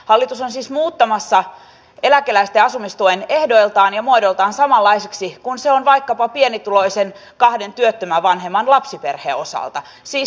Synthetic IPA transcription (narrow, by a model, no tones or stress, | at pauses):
hɑlːit̪usonsiːsmuːt̪ːɑmɑsːɑ | elækelæist̪eɑsumist̪uene̞hdo̞ilt̪ɑːnjɑmuodolt̪ɑːnsɑmɑlːɑiseksikunseonʋɑikːɑpɑpienit̪ulo̞isen | kɑhde̞nt̪yøt̪ːømæʋɑnɦemːɑnlɑpsiperhḛːo̞sɑ̰lt̪ɑ | siːs